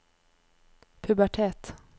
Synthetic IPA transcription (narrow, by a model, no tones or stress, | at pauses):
pʰɵbæʈʰɛt̪